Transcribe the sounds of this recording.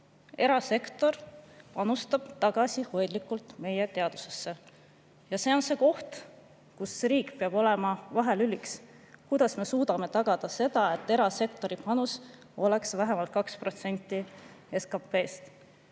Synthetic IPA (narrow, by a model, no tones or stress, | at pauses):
e̞ɾɑse̞kt̪o̞rpɑnust̪ɑb̥t̪ɑɡ̥ɑsiho̞jd̪likːˑult̪me̞je̞t̪e̞ɑd̪̥u̥se̞sːe̞ | jɑse̞o̞nse̞ko̞ht̪ | kusɾiːkpeɑb̥o̞lemɑvɑɦe̞lylʲiks | kujd̪̥ɑsme̞suːd̪̥ɑme̞t̪ɑɡ̥ɑd̪̥ɑse̞d̪̥ɑe̞t̪ːˑe̞ɾɑse̞kt̪o̞ɾipɑnus | o̞le̞ksvæɦemɑlt̪̚kɑkspro̞t̪se̞nʲt̪ˑːi | eskɑpːe̞ːst̪